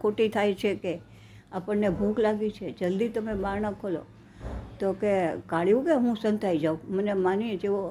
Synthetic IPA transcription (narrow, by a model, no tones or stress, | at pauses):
kʰoʈit̪ʰajt͡ʃʰeke | apəɳnebʱuklaɡit͡ʃʰed͡ʒəld̪it̪əmebaɾnəkʰolo̰ | t̪okekaɭjũkeɦũsənt̪ʰaid͡ʒaumənemanid͡ʒeʋo